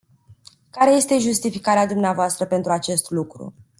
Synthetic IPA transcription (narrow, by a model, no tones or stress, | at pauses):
kaɾe̞je̞st̪e̞ʒust̪ifikaɾead̪umneavoast̪ɾəpent̪ɾuat͡ʃe̞st̪lukɾṵ